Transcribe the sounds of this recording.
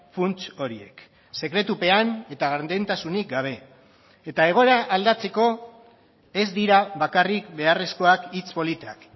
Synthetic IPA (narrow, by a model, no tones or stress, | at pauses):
funt͡ʃo̞ɾie̞̰k | se̞kɾe̞t̪upe̞ane̞t̪aɣaɾnd̪e̞nt̪asunik̚ɡaβ̞e̞ː | t̪aeɣ̞o̞eɾaʔːld̪at͡se̞ko̞ | e̞zd̪iɾaβakarikbe̞are̞sko̞akit͡spo̞lit̪ak